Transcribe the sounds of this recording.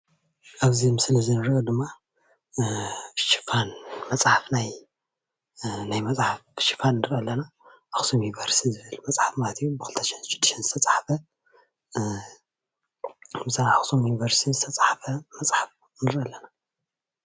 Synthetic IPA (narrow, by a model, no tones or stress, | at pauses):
ʔaβzimɨsɨlɐzinɨɾɐʔod̪ɨmːa | fɨʃi̥fanmɐt͡sʼħafnaj | najmɐt͡sʼħaffɨʃi̥fannɨɾʔɐlːɐna | axsomjunivɐɾst̪ʰizɨβɨlmɐt͡sʼħafmalɐt̪ʰijubɨkɨlt̪ʰɐʃnʃɪd̪ːɨ̥ʃɐnzɨt̪ʰɐt͡sʼaħfɐ | mɨsanxsomjunivɐɾst̪ʰinzɨt̪ʰɐt͡sʼaħfɐmɐt͡sʼħaf | nɨɾʔɐlːɐna